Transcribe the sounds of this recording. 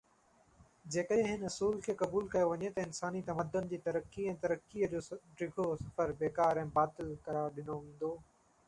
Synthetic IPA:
d͡ʑeːkəẽɦɪnɐsuːlkʰeːkɐbuːlkɐjoʋɐɲet̪ɐɪnsaːnit̪ɐməd̪ːʊnɪ̆d͡ʑiːt̪ɐɾəkːiɛ̃ːt̪ɐɾəkːiəd͡ʑoːɖɾɪɡʱosɐfəɾbeːkaːɾɛ̃ːbaːt̪ɪlkɐɾaːɾɗɪnoʋẽːn̆d̪oː

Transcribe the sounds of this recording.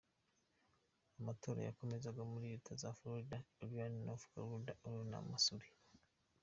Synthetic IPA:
amato̞ːɾa̰ja̰ko̞me̞zaɡomuɾiɾitʰazafloɾidaeβjaːninofu̥ɡa̰ludaʔoɾona̰masuɾi

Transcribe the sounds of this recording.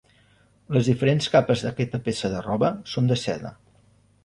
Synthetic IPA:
ləzðifəɾenskapəzðəkɛt̪əpesəðərɔβəsond̪əsɛðə̰

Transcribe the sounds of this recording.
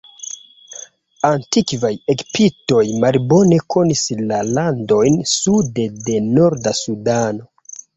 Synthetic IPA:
antikvajekpito̞jmalbo̞ne̞kʰo̞nislalando̞jnsude̞de̞no̞ɾdasudano̞

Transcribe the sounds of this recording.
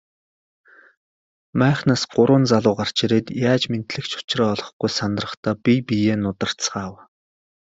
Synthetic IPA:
mæːχnaːsɢ̥ʊɾʊːnt͡saɮʊːɢar̥t͡ɕiɾeːt̪jaːt͡ɕmen̥t̪ɮɘ̆kt͡ɕʰʊ̥t͡ɕrɔːɮɞ̆χɡujsant̪rə̆χt̪aːpipijeːnʊt̪ə̆r̥t͡sɢaːw

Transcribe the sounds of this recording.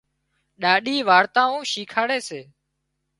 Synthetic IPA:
ɗaːɗiːʋaːɾt̪ãːũːʃiːkʰaːɽeːseː

